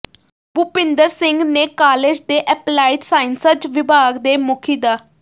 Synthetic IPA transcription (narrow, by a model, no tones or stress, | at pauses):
bupɪnd̪əɾsɪŋɡneːkaːled͡ʒd̪eːʔɛːplaːɪʈsaːɪnsəd͡ʒʋɪbʱaːɡd̪eːmʊkʰiːd̪aː